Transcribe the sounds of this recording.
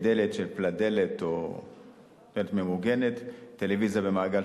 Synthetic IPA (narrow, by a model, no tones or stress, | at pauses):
d̪elet̪ʃelplad̪e̞let̪o | d̪elet̪me̞muɡe̞net̪ːe̞levizijabe̞maːɡal